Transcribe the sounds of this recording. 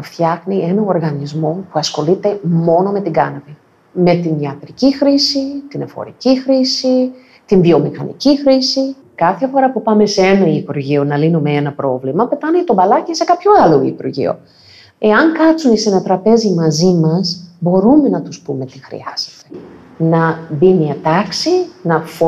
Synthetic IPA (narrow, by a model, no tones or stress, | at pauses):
ft̪çɐxnie̞nɐo̞ɾɣɐnizmo̞puɐsxo̞lit̪e̞mo̞no̞me̞t̪iɡɐnɐvi | me̞t̪iniɐt̪ɾicixɾisit̪ine̞fo̰ɾḭcixɾisi | t̪inðio̞mixɐnḭcixɾisi | kɐθe̞fo̞ɾɐpupɐme̞seenɐipuɾʝio̞nɐlinume̞enɐpɾo̞vlimɐpe̞t̪ɐnet̪o̞bɐlɐcise̞kɐpçoɐloḭpuɾʝḭo̞̰ | e̞ɐŋkɐt͡sunisenet̪ɾɐpe̞zimɐzimɐsbo̞ɾume̞nɐt̪uspume̞t̪ixɾḭɐz̥e̥t̪e̞̥ | nɐbimiɐt̪ɐksinɐf